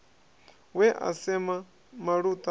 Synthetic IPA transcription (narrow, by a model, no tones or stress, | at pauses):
wɛʔa̰sɛma | maɺut̪ʼa